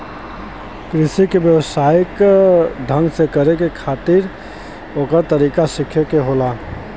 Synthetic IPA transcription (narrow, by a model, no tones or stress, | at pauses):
kɾɪsikebjəwsaːjɪkd̪ʱə̃ŋɡsekəɾekekʰaːt̪ɪɾ | oːkəɾt̪əɾikasɪkʰekeɦoːla